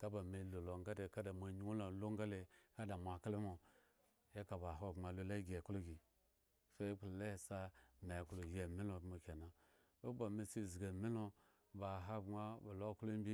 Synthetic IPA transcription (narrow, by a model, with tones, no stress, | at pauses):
ka˦ba˨me˨lo˨lo˨ŋ˦ɡa˦de˨ka˦da˨mʷa˨ɲi˦wo˦lo˨lo˦ŋ˦ɡa˦le˨ka˦da˨mʷ˨a˨ka˦le˦mo˨ | ja˦ka˨ba˨ɦo˦˨ma˨lo˦la˦ɡʲe˨klo˦ɡʲi˨ | fe˦k͡plo˨le˦˨sa˦me˨klo˨je˨mi˦lo˨˦mo˨kʲe˨na˨ | o˦ba˨me˨si˦˨zɡe˨mi˦lo˦ | ba˨ɦa˦ɡ͡ba˦ba˨lo˦˨klo˦m˦bʲi˦